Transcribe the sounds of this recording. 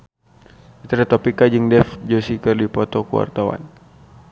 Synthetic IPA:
it̪ɾat̪ɔpikad͡ʒɨŋdɛfd͡ʒosikɨrdipɔt̪ɔkuwa̰rt̪awa̰n

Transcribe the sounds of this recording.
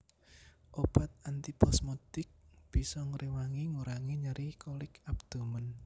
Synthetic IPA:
ʔob̥a̤t̪̚ant̪ipɔsmud̪̥ɪk̚b̥i̤sɔŋɾiwaŋiŋuɾaŋeɲəɾihkolɪkap̚d̪̥o̤mən

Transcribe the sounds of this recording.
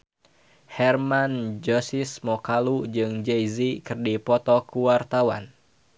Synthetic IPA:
hɛrmand͡ʒɔsismɔkalud͡ʒɨŋd͡ʒejzikɨrdipɔt̪ɔkuwart̪awa̰n

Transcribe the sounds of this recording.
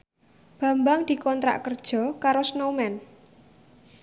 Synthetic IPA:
b̥ä̤mbaŋd̪̥i̤kɔnt̪ɾa̰ʔkərd̥ʒ̥ɔ̤kaɾosnomɛn

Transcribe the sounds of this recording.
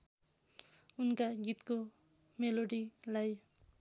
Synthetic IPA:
unkaɡit̪ko | meloɽilaj

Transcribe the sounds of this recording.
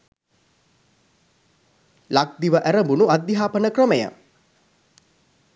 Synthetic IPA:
lak̚d̪iʋəʔæɾəmbunuad̪jiɦaːpənəkrəməjə̰

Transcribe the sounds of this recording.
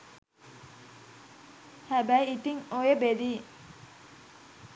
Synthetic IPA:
hæbæjit̪iŋojebed̪iː

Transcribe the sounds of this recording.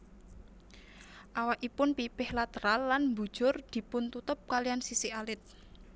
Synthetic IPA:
ʔawaʔipʊnpipɪhlat̪əɾalːanmbṳ̥ʒ̥ʊrd̪̥i̤pʊnt̪ut̪ʊp̚kalijansisialɪt̪̚

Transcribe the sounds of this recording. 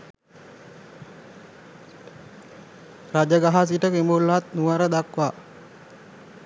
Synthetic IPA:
rad͡ʒəɡaɦas̬iʈəkimulat̪nuʋəɾəd̪akʋa

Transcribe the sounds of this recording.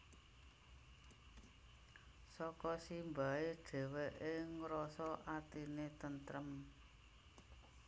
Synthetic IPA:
sɔkɔsimbae̥ɖ̥e̤wɛʔeŋɾɔsɔʔat̪inet̪ənt̪ɾəm

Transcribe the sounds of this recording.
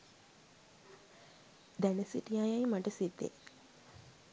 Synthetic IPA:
d̪ænəsḭʈijajajmɐʈəsit̪ːḛ

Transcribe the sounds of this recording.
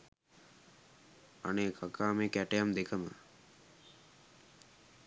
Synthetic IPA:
a̰neːkʰakaːmekæʈəjamd̪ekəmə̰

